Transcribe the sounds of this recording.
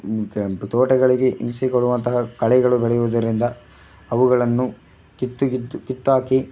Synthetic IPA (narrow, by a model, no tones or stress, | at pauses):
t̪oːʈɐɡɐɭiɡe̞ʔimsikoɽuʋɐnt̪ɐɦɐkɐɭɛɡɐɭubɛɭɛjuʋɐd̪ɐɾind̪ɐ | ɐʋuɡɐɭɐnːu | kit̪ːukit̪ːuaːki